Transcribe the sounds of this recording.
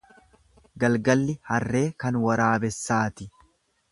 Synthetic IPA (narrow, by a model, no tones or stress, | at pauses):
ɡɐlɡɐlːɪhɐrːe̞ːkɐnwɐɾaːbɛsːaːt̪ɪ